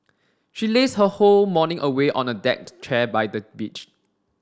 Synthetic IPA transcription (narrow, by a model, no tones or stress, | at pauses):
ʃileshəholmɔnɪ̃ŋʔəweʔɔ̰̃nədɛ̰k̚tt͡ʃʰɛbajdəbit͡ʃ